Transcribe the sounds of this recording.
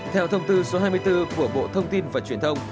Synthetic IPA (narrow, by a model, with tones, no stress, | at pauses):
t̪ʰɛ˧wt̪ʰə˧wŋ͡mt̪ɨ˧so˨˦ɦaː˧jmɨ˧əjt̪ɨ˧ku˧˩əɓo̰˧˨t̪ʰə˧wŋ͡mt̪i˧nvaː˨˩t͡ɕwi˧˩ənt̪ʰə˧wŋ͡m